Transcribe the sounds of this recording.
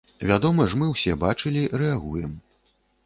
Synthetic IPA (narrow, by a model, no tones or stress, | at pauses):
vʲad̪ɔmɐʐmɨwsʲɛbat͡ʂɨlʲiɾɛaɣujɛm